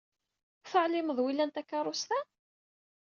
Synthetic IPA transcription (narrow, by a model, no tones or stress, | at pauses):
θəʕlɪməðˤwilːænt̪ækːɑɾˤʊst̪æ